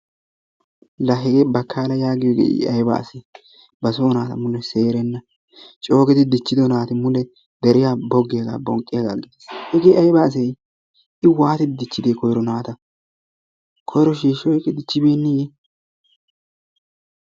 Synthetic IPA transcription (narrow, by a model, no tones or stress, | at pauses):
lɐɦɛɡeːbɐkʰːaːlɐjaːɡɪjɔɡḛːɪ̰ʔɐjba̰ːse | bɐsoːnaːt̪ɐ̰mʊlɛse̞ːɾɛnːɐ | t͡ʃʼo̞ːɡɛt̪ɪd̪ɪt͡ʃːɪd̪ɔnaːt̪ɪmʊlɛ | d̪ɛɾɪjaːbɔɡːɪjɐɡa̰ːbɔŋkʼːɪjaɡa̰ːɡeshɛɡeːɐjbaːs̬ɛj | ɪwaːt̪ɪt̪ɪd̪ɪt͡ʃːɪd̪eːkɔjɾɔnaːt̪ɐ | kʰɔjɾɔʃiːʃːɔjkʼːɛd̪ɪt͡ʃːɪbe̞ːnːijɛ